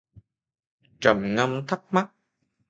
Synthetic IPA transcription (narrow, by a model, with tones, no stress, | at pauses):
t͡ɕə˨˩mŋə˧mt̪ʰə˦˥k̚ma˦˥t̚